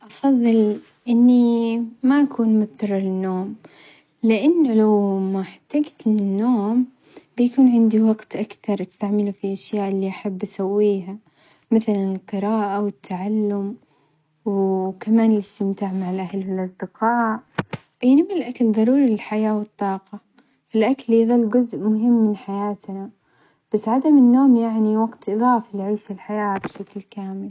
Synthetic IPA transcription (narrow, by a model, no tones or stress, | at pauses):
ʔɑfɑðˤːɨl | ʔɪnːimaʔakʰuːnmʊt̪t̪ɑrˤːɑlɪnːoːm | lɪʔanːʊlawmaħat̪ːaɡt̪ɪnːoːm | b̥ɪjakuːnʕɪnd̪iwɑɡt̪ʔakt̪ɑɾˤʔɪst̪aʕmɪlufiʔaʃjaːʔɪlːiʔaħabːʔasawːiːɦa | mɪθlanɪlqɨɾɑːʔawɪt̪ʰːaʕalːʊm | wkamaːnɪlɪst̪ɪmt̪aːʕmaʕalʔahlwɪlʔɑsˤd̪ɪqɑːʔ | jnɪmlʔakalðˤɑɾˤuːɾilɪlħajaːwɨt̪ˤːɑːqɑ | fɪlʔakalːiðˤɑlːɡʊzʔmʊɦɪmːɪnħajaːt̪na | b̥asːʕad̪amɪnːoːmjaʕniwaɡt̪ʔɨðˤɑːflʕʊlfilħajaːbʃaklkaːmɪl